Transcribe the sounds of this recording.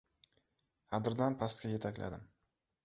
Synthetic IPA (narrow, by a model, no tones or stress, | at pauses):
ad̪ɪɾd̪anpʰast̪̚kʲaje̞t̪ʰakʲla̰d̪ɪm